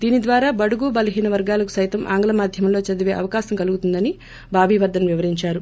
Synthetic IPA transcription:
d̪iːnid̪ʋaːɾaːbɐɽuɡuːbɐlɐɦiːnɐʋɐɾɡaːlɐku̥sɐjt̪ɐmʔa̰ːŋɡɐlɐmaːd̪ʱjɐmɐmlo̞ːt͡ʃɐd̪ɐʋe̞ːʔɐʋɐkaːʃɐmkɐluɡut̪und̪ɐni | bʱaːbʱiːʋɐɾd̪ɐnʋiʋɐɾiɲt͡ʃaːɾu

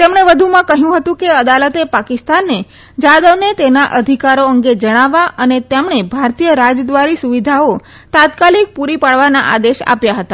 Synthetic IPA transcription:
t̪emɳ̃eʋəd̪ʱumãkəɦjũɦət̪ũkeəd̪alət̪epakɪst̪anːe | d͡ʒad̪əʋnet̪enaʔəd̪ʱikaɾoəŋɡed͡ʒəɽ̃aʋaʔənet̪emɳebʱaɾt̪ijəɾad͡ʒd̪ʋaɾisuʋid̪ʱao | t̪at̪kalik̚puɾipaɽʋana̰ʔa̰d̪eʃa̰pjaɦət̪a

